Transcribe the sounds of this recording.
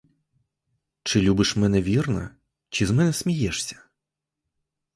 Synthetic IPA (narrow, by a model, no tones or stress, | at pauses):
t͡ʃɪlʲubɪʃmɛnɛʋʲirnɐ̰ | t͡ʃizmɛnɛsmʲijɛʂsʲɐ̥